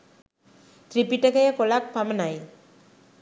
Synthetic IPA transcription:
t̪ɾipiʈɐkɐjakolak̚pamɐnaj

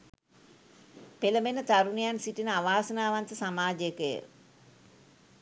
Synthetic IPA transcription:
peləbenət̪aɾunijansiʈinəaʋaːsənaːʋant̪əsamaːd͡ʒjəkəjə̰

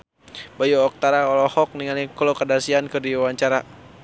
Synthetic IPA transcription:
bajuɔk̚t̪aɾaɔlɔhɔk̚niŋalikɔlɔkadasiankɨrdiawaɲt͡ʃaɾa

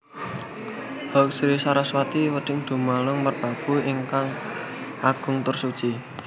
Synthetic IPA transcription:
hɔk̚sɾisaɾaswat̪iwəɖ̥ɪŋd̪̥ṳmalʊŋmərb̥a̤b̥ṳiŋkaŋ | ʔaɡ̥ʊ̤ŋt̪ʊrsu̥t͡ʃi

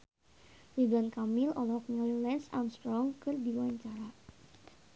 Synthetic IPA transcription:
lidankamilɔlɔknɛllɛnsa̰mst̪ɾɔŋkɨrd̪iwaɲt͡ʃaɾa

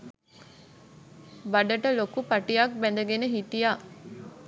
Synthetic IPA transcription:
bɐɖəʈəlokupɐʈijak̚bɛnd̪əɡenəɦit̪ijaː

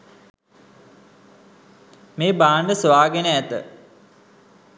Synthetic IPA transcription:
meːbaːɳɖəsʋaːɡenəæt̪ə̰

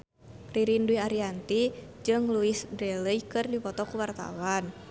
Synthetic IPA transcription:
riɾinduiaɾiant̪id͡ʒɨŋluisbɾeləjkɨrdipɔt̪ɔkuwart̪a̰wan

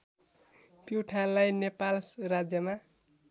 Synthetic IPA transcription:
piʈʰanlajnepalsrad͡zjʌma

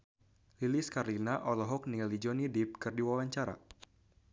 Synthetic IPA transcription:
liliskarlinaʔɔlɔɦɔk̚nilid͡ʒɔnidip̚kɨrdiwawaɲt͡ʃaɾa̰

